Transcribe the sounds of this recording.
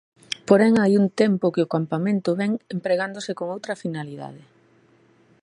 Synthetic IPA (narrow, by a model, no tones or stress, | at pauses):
poɾɛŋajunt̪ɛmpʊkɪʊkampamẽnt̪ʊβɛŋempɾeɣ̞and̪osɪkoŋowt̪ɾɐfinaliða̰ð̞ɪ